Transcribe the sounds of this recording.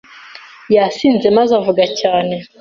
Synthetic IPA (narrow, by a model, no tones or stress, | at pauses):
jasiːnzemazavuɡacaːne